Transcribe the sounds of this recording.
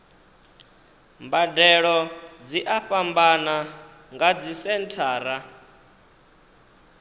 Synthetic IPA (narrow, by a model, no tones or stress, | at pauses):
mbadɛɺɔd͡ziʔaɸambana | ŋɡad͡zisɛntʰaːɾa